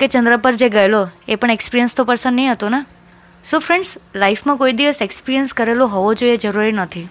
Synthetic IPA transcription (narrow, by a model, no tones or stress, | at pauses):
ket͡ʃənd̪ɾəpəɾd͡ʒeɡəeloepəɳekspiɾijənst̪opəɾsənːəĩɦət̪ona | sũfɾẽɳɖslaifmãkoid̪iʋəsekspiɾijənskəɾeloɦɔʋod͡ʒoied͡ʒəɾuɾinət̪ʰi